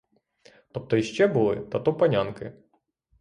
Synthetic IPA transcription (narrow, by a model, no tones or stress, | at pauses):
t̪ɔp̚t̪ɔiʃt͡ʃɛbulˠɪ̰t̪ɐt̪ɔpɐnʲankɪ